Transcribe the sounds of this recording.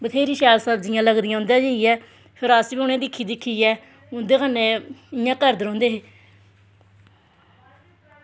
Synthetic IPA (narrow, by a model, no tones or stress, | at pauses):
bət̪ʰeːɾiːʃɛːlsəd͡ʒɪjãːləɡd̪ɪjãːʊ̃nd̪aːd͡ʒeiːɛː | pʰɪɾəsʋiːʊnẽːd̪ɪkʰːiːd̪ɪkʰːiːɛː | ʊnd̪eːkənːẽːɪjãːkəɾd̪ɾɔ̃ːnd̪eːɦeː